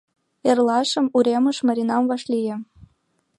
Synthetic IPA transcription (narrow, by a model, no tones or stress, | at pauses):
erlɑʃə̆muɾʲemɤ̆ʃmɤ̆ɾʲinɑmvɑʃlʲijĕ